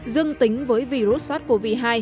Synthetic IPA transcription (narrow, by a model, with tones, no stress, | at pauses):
zɨ˧əŋt̪ï˨˦ŋ̟vəː˨˦jvi˧ɾu˦˥t̚saː˦˥t̚ku˧˩vḭ˧˨˩ɦaː˧j